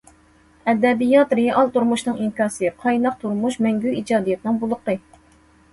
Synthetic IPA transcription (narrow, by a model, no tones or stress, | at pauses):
ɛd̪ɛbijɑt̪ɾeɑlˠt̪uɾmuʃnɨŋiŋkɑːsɨqʰɑjnɑq̚t̪ʰuɾmuʃmɛŋɡʲyid͡ʒɑːd̪ijɛt̪nɨŋbolˠəqɨ